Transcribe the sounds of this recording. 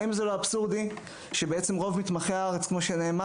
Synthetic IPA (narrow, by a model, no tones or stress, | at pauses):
imzeloabsuʁd̪i | ʃebeet͡se̞mʁo̞vmit̪maχeaaʁet͡skmo̞ʃene̞ːma